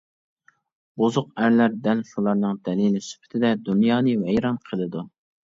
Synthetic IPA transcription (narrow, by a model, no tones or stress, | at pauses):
bozʊqæɾlæɾd̪ɛlʃulˠɑɾnɨŋd̪ɛlilɪsy̥pʰɪ̥t̪ʰɪd̪ɛd̪unjɑːnɨvɛjɾɑnqʰəlˠɨd̪u